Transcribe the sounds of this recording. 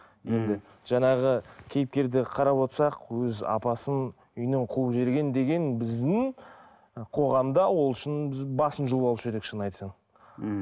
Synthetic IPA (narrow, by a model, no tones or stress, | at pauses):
je̞nd̪ɪ | ʒ̥ɑɴɑʁəkʲʰe̞jɪp̚k̪ʲe̞ɾd̪ɪqʰɑɾɑpwo̞t̪sɑqwɵzɑ̰pɑsən | ʏjnɪɴqʰuəpʒe̞ɾɡʲe̞nd̪e̞ɡʲe̞nbɪzd̪ɪŋ | qʰo̞ʁɑmd̪ɑwo̞lˠʏʃɪnbɪzbɑsənʒəlˠɑlˠuʃʒed̪ɪkʃənɑjt̪sɑn